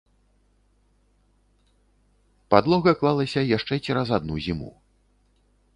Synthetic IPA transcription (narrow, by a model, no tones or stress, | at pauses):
pad̪lˠɔɣɐklˠalˠɐsʲɐjaʂt͡ʂɛt͡sʲiɾazad̪̚nuzʲimṵ